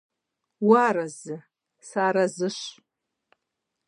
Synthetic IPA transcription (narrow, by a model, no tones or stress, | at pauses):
waɾazɨ | saɾazɨʃʷ